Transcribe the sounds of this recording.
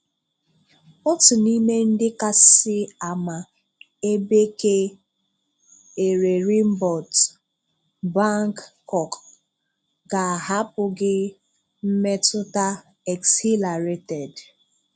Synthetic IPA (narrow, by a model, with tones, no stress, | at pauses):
ɔ˦tʊ˨ni˦me˦n̩˦dɪ˦ka˦sɪ˦a˨ma˨ | e˦be˦ke˦ | e˨ɾe˨ɾi˦m̩˦bɔ˨t | ba˦ŋkːɔ˨k | ɡa˨ɦa˦pʊ˨ɡɪ˦ | m̩˦me˦tʊ˦ta˦ | ɛ˨ksi˦la˨ɾe˨tɛ˨d